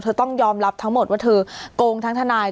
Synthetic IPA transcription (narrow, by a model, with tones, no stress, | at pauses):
t̪ʰɤː˧t̪ɔ˥˩ŋjɔː˧mɾa˦˥p̚t̪ʰa˦˥ŋmo˨˩t̪̚wa˥˩t̪ʰɤː˧koː˧ŋt̪ʰa˦˥ŋt̪ʰa˧naː˧j